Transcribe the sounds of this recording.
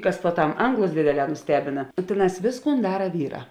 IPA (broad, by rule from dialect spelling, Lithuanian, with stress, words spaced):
ˈkɐs puɔˈtɐm ˈɐŋɡlˠʊs ˈdʲeːdʲeːˌlʲɛː nʊˈsʲtʲæːbʲɪnɐ ˈtʲeːˌnɑːs ˈʋʲeːsˌkuːn ˈdɑːrɐ ˈʋʲiːˌrɑː